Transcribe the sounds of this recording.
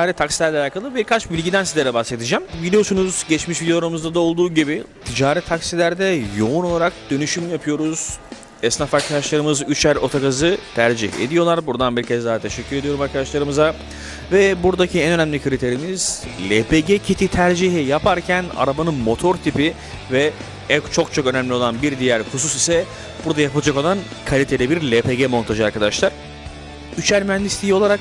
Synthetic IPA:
aːɾɛt̪ʰaksi̥lʲæɾlʲɛalʲaːkʰalˠɯbiɾkʰat͡ʃbilʲɟid̪ænsizlʲeɾɛbase̞t̪id͡ʒɛmbilʲijo̞sunuz̥ɟɛt͡ʃmiʃvʲid̪eoɾamuzd̪ad̪aolˠd̪uːɟibit̪ʰid͡ʒaːɾɛt̪ʰaksilʲæɾd̪ɛjo̞unolˠaɾak̚d̪̥ø̞nyʃymjapʰɯjo̞ɾuz̥ | ɛsnafaɾkʰad̪aʃlˠaɾɯmɯzyt͡ʃæɾo̞t̪ʰakazɯt̪ʰæɾd͡ʒḭhḛd̪ijo̞lˠaɾbuɾd̪anbiɾcʰɛzd̪aːt̪ʰeʃɛcʰːyɾe̞d̪ijo̞ɾumaɾkʰad̪aʃlˠaɾɯmɯza | vɛbuɾd̪acʰiɛnø̞næmlʲikʰɯɾʲit̪ʰe̞ɾimiz̥lʲepʰeɟɛcʰit̪ʰit̪ʰæɾd͡ʒiɦɛjapʰaɾcʰæna̰ɾabanɯnmo̞t̪ʰo̞ɾt̪ʰipi | vɛ | ɛkt͡ʃʰo̞k̚t͡ʃʰo̞kø̞næmlʲio̞lˠanbiɾd̪ijæɾhus̬usisɛ | b̥uɾd̪ajapɯlˠad͡ʒako̞lˠan | kʰalʲit̪ʰe̞lʲɛbiɾlʲepeɟɛmo̞nt̪ʰaʒɯaɾkad̪aʃlˠaɾ̥ | yt͡ʃæɾʲmyɛnd̪ist̪ʰʲijio̞lˠaɾak̚

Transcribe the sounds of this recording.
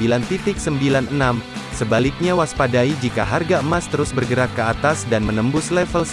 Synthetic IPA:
ilant̪it̪ɪk̚səmbilanənam | səbalɪk̚ɲawaspadaid͡ʒika̰ɦarɡaəmast̪əɾʊsbərɡəɾat̚kəat̪asdanmənəmbʊslɛfəls

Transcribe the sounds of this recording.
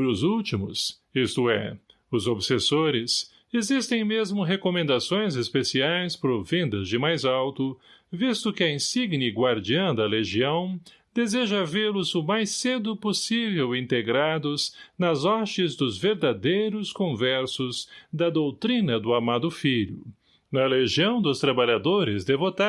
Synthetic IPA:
bɾʊzuwt͡ʃimʊs | ist̪ʊɛ̰ | ʊzobsesoɾɪs | ezist̪ẽj̃mezmʊɦekomẽnd̪asõj̃zespesiajspɾovẽnd̪ɐzd͡ʒɪmajzawt̪ʊ | vist̪ʊkɪɐĩsiɡnɪɡwaɾd͡ʒiɐ̃w̃d̪ɐleʒiɐ̃w̃ | d̪ezeʒɐvelʊzʊmajsed̪ʊposivewĩnt̪eɡɾad̪ʊznɐzɔʃɪzd̪ʊzveɾd̪ad̪ejɾʊskõvɛɾsʊzd̪ɐd̪owt̪ɾĩnɐd̪ʊamad̪ʊfiʎʊ̰ | nɐleʒiɐ̃w̃d̪ʊst̪ɾabaʎad̪oɾɪzd̪evot̪a

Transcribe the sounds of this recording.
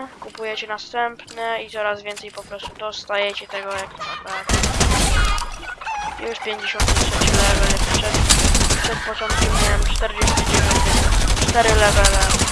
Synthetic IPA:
kupujɛt͡ɕɛnast̪ɛmpnɛit̪sɔɾazvʲɛnt̪sɛjpɔpɾɔst̪ud̪ɔst̪ajɛt͡ɕɛt̪ɛɡɔjakt̪ɔapɾat̪ɛ | juʂpʲjeɲd͡ʑeɕɔ̃nt̪sɛɲt͡ɕulɛvɛlpʂɛt̪pʂɛt̪̚pɔt͡ʂɔnt̪̚kʲɛmminɛmt͡ʂt̪ɛɾd͡ʑɛst̪ud͡ʑevʲjɔ̃ɲtt͡ʂt̪ɛɾɘlɛvɛlɛ

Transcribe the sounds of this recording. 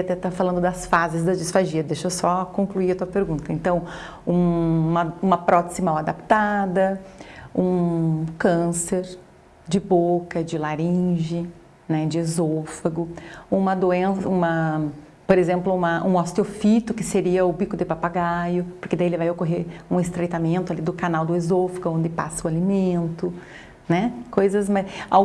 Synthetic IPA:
at̪ɛt̪afalɐ̃nd̪ʊd̪ɐsfazɪzd̪ɐd͡ʒɪsfaʒiɐd̪eʃɐsɔkõŋkluiɐt̪uɐpeɾɡũnt̪ɐẽnt̪ɐ̃w̃ | ũmɐũmɐpɾɔt̪ezɪmawad̪api̥t̪ad̪ɐ | ũkɐ̃seɾ | d͡ʒɪbokɐd͡ʒɪlaɾĩʒɪ | nɛd͡ʒɪezofɐɡʊũmɐd̪oẽsɐũmɐ | poɾezẽmplʊũmɐʔũast̪eofit̪ʊkɪseɾiɐʊbikʊd̪ɪpapaɡajʊpoɾkɪd̪aielɪvajokoɦeɾũest̪ɾejt̪amẽnt̪ʊalid̪ʊkanawd̪ʊezofɐɡʊõnd̪ɪpa̰sɐʊalimẽnt̪ʊ | nɛkojzɐsmɐa

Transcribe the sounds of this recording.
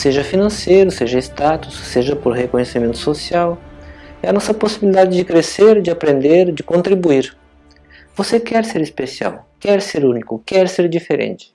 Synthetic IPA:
seʒɐfinɐ̃sejɾʊseʒɐest̪at̪ʊ̥sːeʒɐpoɾhekõɲesimẽnt̪ʊ̥sosiawɛɐnɔsɐposibilid̪ad͡ʒɪd͡ʒɪkɾeseɾd͡ʒɪapɾẽnd̪eɾd͡ʒɪkõnt̪ɾibuiɾ | vosekɛɾseɾespesia̰wkɛɾseɾũnikʊkɛɾseɾd͡ʒifeɾḛ̃nt͡ʃɪ̥

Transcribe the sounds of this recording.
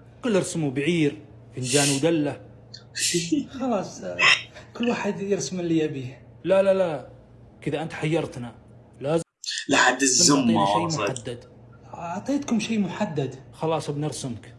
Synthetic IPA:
qɪlːɪɾsʊmubaʕiːɾ | fɪnd͡ʒaːnwd̪alːa | xɑlɑːsˤ | kʊlːwaːħɪd̪jɪɾsmɪljabi | lalala | kɪðaʔɪnt̪ħajːɑɾˤt̪na | laːz | lɪħad̪ːɪzːʊminaʃejːmʊħad̪ːad̪ | ʕt̪ˤiːt̪kʊmʃeːmʊħad̪ːad̪xɑlɑːsˤbnɪɾsɪmk

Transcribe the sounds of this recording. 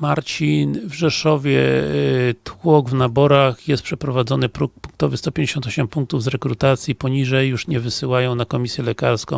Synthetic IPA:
maɾt͡ɕinvʐɛʂɔvʲjɛ | t̪wɔɡvnabɔɾaxjɛst̪̚pʂɛpɾɔvad̪zɔnɘpɾupuŋk̚t̪ɔvɘst̪ɔpʲjeɲd͡ʑeɕɔ̃nt̪ɔɕɛmpuŋk̚t̪uvzɾɛkɾut̪at̪sʲjipɔɲiʐɛjːuʂɲɛvɘsɘwajɔ̃w̃nakɔmʲisʲjɛlɛkaɾskɔ̃w̃

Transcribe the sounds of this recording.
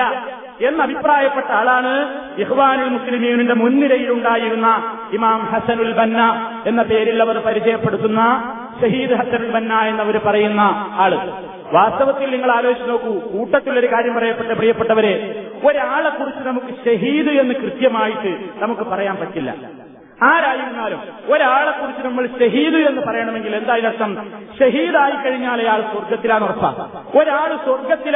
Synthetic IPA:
ɐ | e̞nːɐbʱipraːjɐpːe̞ʈːɐaːɭaːɳɨ | ixʋaːnilmuslimijuninde̞munːiɾɐjiluɳɖaːjiɾunːɐ | imaːmhɐsɐnulbɐnːɐ | e̞nːɐpe̞ːɾilːɐʋɐrpɐɾit͡ɕɐjɐpːe̞ɽut̪ːunːɐ | ɕɐɦiːd̪ɨɦɐsɐnulbɐnːae̞nːɐʋɐɾupɐrɐjunːɐaːɭɨ | ʋaːst̪ɐʋɐt̪ːilniŋːɐɭaːlo̞ːiɕɐno̞ːkːukuːʈːɐt̪ːilo̞ɾukaːɾjɐmpɐrɐjɐpːeʈːprijɐpːeʈːɐʋɐɾe | o̞ɾaːɭekːurit͡ɕːunɐmukːɨɕɐɦiːðɨe̞nːɨkrɨt̪jɐmaːjiʈːɨnɐmukːɨpɐrɐjaːnpɐʈːilːɐ̰ | aːɾaːd͡ʑilunːaːlumoɾaːɭekːurit͡ɕːɨnɐmːɐɭɕɐɦiːðue̞nːɨpɐrɐjɐɳɐme̞ŋɡile̞nd̪aːjinɐʂɐmɕɐɦiːd̪aːjikːɐɻiɲːaːlɐjaːɭsorɡɐt̪ːilaːnurɐpːa̰ːm | o̞ɾaːɭɨsorɡɐt̪ːil

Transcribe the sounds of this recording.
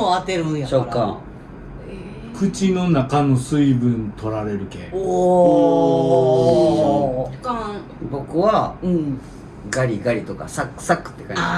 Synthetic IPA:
at̪eɾɕokːã̰ | kɯ̟t͡ɕinonakano̞sɨibɯ̟̃nt̪ʰo̞ɾaɾe̞ɾɯ̟kḛ | k | bo̞kɯ̟βa | ɡaɾʲiɡaɾʲit̪o̞ka̰sakɯ̥sakːɯ̥t̪ːekã̰ɲ

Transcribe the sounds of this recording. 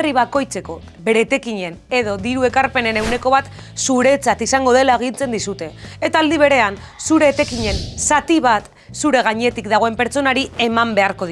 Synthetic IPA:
riβ̞ako̞jt͡se̞ko̞ | be̞ɾe̞t̪e̞kiɲe̞ne̞ðo̞ðiɾue̞kaɾpe̞ne̞newne̞ko̞βat̪ | suɾe̞t͡sat̪isaŋɡo̞ðe̞laeɣ̞int͡se̞nd̪isut̪e̞ːt̪aːld̪iβ̞e̞ɾe̞an | suɾe̞ːt̪e̞kiɲe̞nsat̪iβat̪ | suɾe̞ɣ̞aɲe̞t̪ikd̪aɣ̞o̞e̞mpe̞ɾt͡so̞naɾie̞mambe̞aɾko̞ði

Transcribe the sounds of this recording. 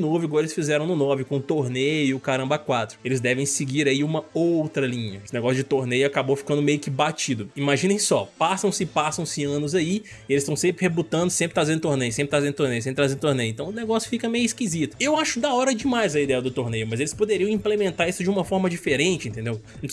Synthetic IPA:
novʊiɡɔɾelɪsfizɛɾɐ̃w̃nʊnɔvɪkõʊt̪oɾnejʊʊkaɾɐ̃mbɐkwat̪ɾʊelɪzd̪ɛvẽj̃sɪɡiɾaiũmɐowt̪ɾɐlĩɲɐesɪneɡɔsjʊd͡ʒɪt̪oɾnejʊakabofi̥kɐ̃nd̪ʊmejʊkɪbat͡ʃid̪ʊimaʒĩnẽj̃sɔ̰pasɐ̃w̃sɪpasɐ̃w̃sɪɐ̃nʊzai | elɪst̪ɐ̃w̃sẽmpɾɪhebut̪ɐ̃nd̪ʊsẽpɾɪt̪ɾazẽd̪ʊt̪oɾnejʊsẽmpɾɪt̪azẽnʊt̪oɾnejʊsẽpɾɪt̪ɾazẽd̪ʊt̪oɾnejẽt̪ɐ̃w̃ʊneɡɔsjʊfikɐmejʊiskizit̪ʊ̥ewaʃʊd̪ɐɔɾɐd͡ʒɪmajzɐid̪ɛjɐd̪ʊt̪oɾnejʊmɐzelɪspod̪eɾiɐ̃ĩplemẽnt̪aɾisʊd͡ʒɪũmɐfɔɾmɐd͡ʒifeɾẽnt͡ʃɪĩt̪ẽnd̪ew

